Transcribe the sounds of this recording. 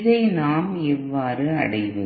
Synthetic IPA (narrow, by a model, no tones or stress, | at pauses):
ðɐɪnaːmɛʋːaːɾɯɐ̰ɽɐjʋɯ